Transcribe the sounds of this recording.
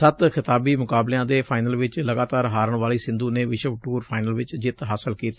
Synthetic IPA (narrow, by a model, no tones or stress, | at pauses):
sət̪xʰɪt̪aːbiːmʊkaːbleãːd̪eːpʰaːɪnəlʋɪt͡ʃləɡaːt̪aːɾɦaːɾəɳʋaːliːsɪ̃nd̪uːneːʋɪʃəʋʈuːɾpʰaːɪnəlʋɪt͡ʃd͡ʒɪt̪ɦaːsəlkiːt̪ː